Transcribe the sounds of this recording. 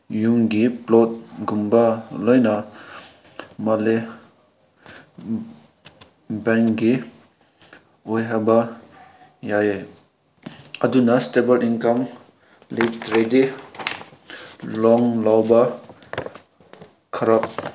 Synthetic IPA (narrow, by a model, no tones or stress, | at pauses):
juŋɡiplɔt̚ɡumbalɔjna | mɐle | bɛŋkɡi | ojɦaba | jae | ɐdunɐstebɐlʔinkɐm | liftɾedi | lɔŋlawbɐ | kʰɐɾap̚